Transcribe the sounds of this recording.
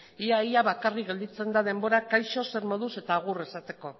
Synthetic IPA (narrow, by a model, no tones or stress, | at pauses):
iaiaβakariɣe̞ld̪it͡se̞nd̪að̞e̞mbo̞ɾakajʃo̞se̞ɾmo̞ðuse̞t̪aːɣ̞ure̞sat̪e̞ko̞